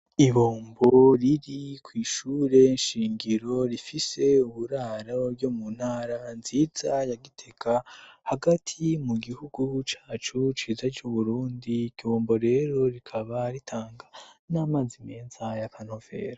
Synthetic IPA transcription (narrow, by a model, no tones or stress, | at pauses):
iβoːmboɾiɾikwiːʃuːɾe̞nʃiːŋɡiɾo̞ɾifise̞uβuɾaːɾoɾjomun̥haːɾanziːz̥ajaɡitʰe̞kʰahaɡatʰimuɡihuɡut͡ʃaːt͡ʃut͡ʃiːzad͡ʒuβuɾuːndikiβoːmbo̞ɾe̞ɾo̞ɾikʰaβaɾitʰaːŋɡanamaːzime̞ːnzajakʰan̥hove̞̰ːɾa